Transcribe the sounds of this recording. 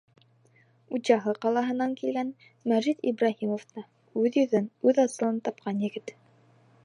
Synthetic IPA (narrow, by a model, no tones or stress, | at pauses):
ut̪ɕɑɦɤqɑlˠɑɦɤ̆nɑŋkilɡæn | mæʒit̪ḭbɾɑɦimoft̪ɑ | ʉðjɵ̆ðɵnʉðɑsɤ̆lˠɤnt̪ɑp̚qɑnjɘ̆ɡɘt̪